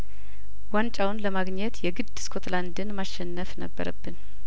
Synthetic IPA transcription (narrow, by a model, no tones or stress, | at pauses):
want͡ʃʼawnləmaɡɲɛt̪jɛɡɨd̪ːskʰo̞t̪land̪ɨnmaʃːɛnːəfnəbːə̰ɾə̰bːɨn